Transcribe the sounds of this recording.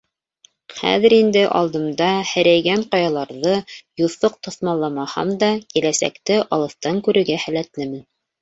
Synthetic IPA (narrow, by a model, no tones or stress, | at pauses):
χæ̰ðɘ̆ɾind̪ɘʔɑ̰lˠd̪ɤ̆md̪ɑhɘ̆ɾæjɡæɴqɑjɑlˠɑɾðɤjuθɤq̚t̪ɤ̆θmɑlˠːɑmɑhɑ̰md̪ɑkilæsæ̰kt̪ɘʔɑlˠɤ̆θt̪ɑŋkʉɾɘ̆ɾɡæhælæt̪lɘmɘ̆n